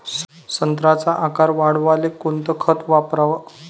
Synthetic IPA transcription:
sənt̪ɾat͡saʔakaɾʋaɽʋalekont̪əkʰət̪ʋapɾaʋ

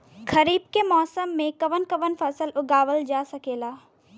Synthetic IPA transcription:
kɐɾiːbkemɔːsəmːẽkɐʋənkɐʋənfʰɐsəlʊɡaːʋəld͡ʒaːsɐkeːlaː

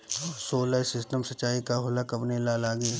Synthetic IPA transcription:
ɔːsoːlasɪsʈəmsɐt͡ʃaːikaɦoːlakɐpnelalaːɡi

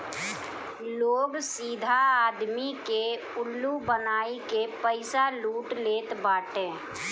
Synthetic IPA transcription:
loːɡsiːd̪ʱaaːd̪mike | ʊlːubənaːikepəɪsaluːʈleːt̪baːʈẽː

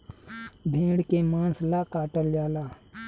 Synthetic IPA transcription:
bʱẽːɽkemãːnslakaːʈəljaːlaː

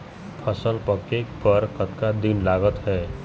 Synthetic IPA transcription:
pʰəsəlpəkekbəɾkət̪kad̪inlaːɡət̪ɦɛː

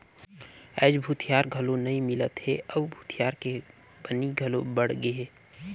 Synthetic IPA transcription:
ɛ̰ːd͡ʒbʱut̪ʰijaɾɡʱəlonəĩmɪlət̪ɦeəwbʱuːt̪ʰijaɾke | b̥əniɡʱəlobəɽɡeɦe

